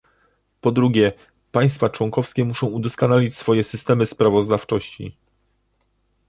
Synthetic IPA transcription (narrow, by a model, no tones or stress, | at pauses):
pɔd̪ɾuɡʲjɛ | paj̃st̪fat͡ʂwɔŋkɔfskʲɛmuʂɔ̃w̃ud̪ɔskɔnalʲit͡ɕsfɔjɛsɘst̪ɛmɘspɾavɔzd̪aft͡ʂɔɕt͡ɕḭ